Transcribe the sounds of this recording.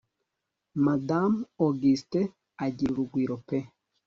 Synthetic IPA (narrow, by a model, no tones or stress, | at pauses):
madamoɡiste | aɟiɾuɾuɡwiːɾo̞pe